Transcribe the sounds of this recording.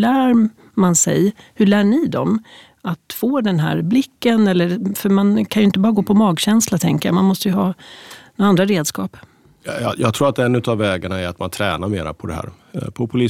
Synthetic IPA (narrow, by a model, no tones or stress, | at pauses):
læːɾ | mansɛjhɵɭæːɳɪd̪ɔm | at̪foːd̪ɛnɦæ̰ːɾblɪkːənɛlːəfœɾmankʰanjɵɪnt̪əbɑːɾaɡoːpʰɔmɑːɡɕɛnslat̪ʰɛŋkəja̰manmɔst̪əjɵɦɑːnoand̪ɾaɾeːd̪skɑ̰ːpː | jjɑːɡt̪ʰɾuːɾat̪ɛnːɵt̪avɛːɡaɳaɛɾat̪ma̰nt̪ʰɾɛːnaɾmḛːɾa̰pʰɔd̪ɛhæ̰ːɾ | pʰɔpʰɵlɪ